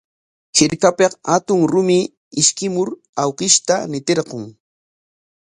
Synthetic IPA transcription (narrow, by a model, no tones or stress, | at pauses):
hɪɾkapeqhat̪ʊŋɾʊmɪ | ɪʃkɪmʊɾ | awkɪʃt̪anɪt̪eɾqoŋ